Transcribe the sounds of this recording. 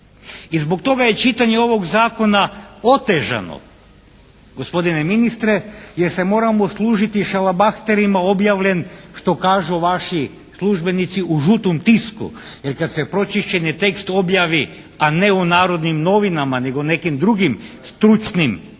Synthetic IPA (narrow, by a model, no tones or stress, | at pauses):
izbo̞k̚t̪o̞ɡaje̞t͡ʃit̪aɲeo̞ʋo̞ɡzaːko̞nao̞t̪eʒa̰no̰ | ɡ̥ospo̞d̪ine̞minist̪ɾejeɾse̞mo̞ːɾamoslˠuːʒit̪iʃalabaxt̪e̞ɾimao̞bjaːʋʎe̞nʃt̪o̞kaːʒuʋaʃi | slˠuʒbe̞nit̪siʔuʒut̪omt̪iskṵje̞ɾkad̪se̞pɾo̞t͡ʃiʃt͡ɕenjit̪e̞kst̪o̞bjaʋi | aneunaːɾo̞d̪nimno̞ʋinamane̞ɡone̞kimd̪ɾuɡimst̪ɾut͡ʃnim